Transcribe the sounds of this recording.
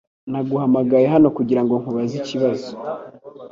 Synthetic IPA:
naɡuɦamaɡajeɦano̞kuɟiɾaŋɡo̞ŋhuβaziciβazo̥

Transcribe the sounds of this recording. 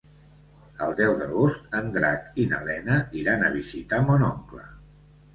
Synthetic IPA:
əlˠd̪ɛwðəlost̪ənd̪ɾakinə̰lɛnəiɾanəβ̞izit̪amonɔŋklə̰

